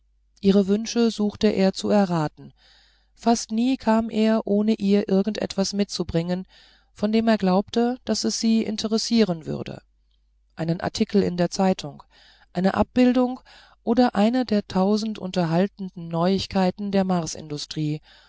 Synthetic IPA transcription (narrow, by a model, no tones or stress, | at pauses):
ʔiːʁəvʏnʃəzuːxtəʔḛːɐt͡suɛɐʁaːtn̩ | fastniːkʰaːmʔeːɐʔoːnəʔiːɐʔɪɐɡŋ̩tʔɛ̰tv̥asmɪt̚t͡subʁɪŋən | fɔndeːmeːɐɡlaʊp̚təd̥asɛsz̥iːʔɪ̰ntʰəʁɛsiːʁ̞ənvʏ̰ɐdə̰ | ʔaɪnənʔa̰ɐtʰikʰl̩ɪ̰ndeːɐt͡saɪtʰʊŋ | ʔaɪnəʔa̰p̚b̥ɪldʊŋ | ʔoːdɐʔaɪnədeːɐtʰaʊzn̩tʔʊ̰ntɐɦaltn̩dn̩nɔʏɪçkʰaɪtn̩deːɐmaɐsɪ̰ndʊstʁ̥iː